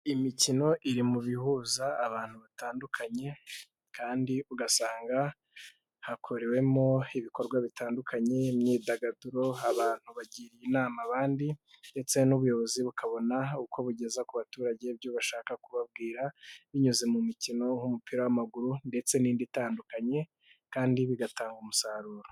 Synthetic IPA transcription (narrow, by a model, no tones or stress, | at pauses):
imicino̞ʔiɾimuβihuzaːβaːn̥huβataːndukʰaɲe̞ | kʰaːndiuɡasaːŋɡa | hakʰo̞ɾe̞we̞moiβiko̞ɾɡwaβitaːndukʰaɲe̞mɲiːdaɡaduɾo̞aβaːn̥huβaɟiːɾijinaːmaβaːndinde̞t͡se̞nuβujo̞βo̞ziβukʰaβo̞nauko̞βuɟe̞zakuβatuːɾaɟe̞bjuːβaʃaːkakuβab̚ɡiːɾaβiɲuzemumicino̞ŋhumupiɾawamaɡuɾunde̞t͡se̞niːnditaːndukaɲe̞ | kaːndiβiɡataːŋɡumusaɾuːɾo